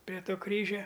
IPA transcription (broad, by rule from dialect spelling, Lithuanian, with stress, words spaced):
pʲrʲɛ ˈtoː ˈkrʲiːʒʲɛ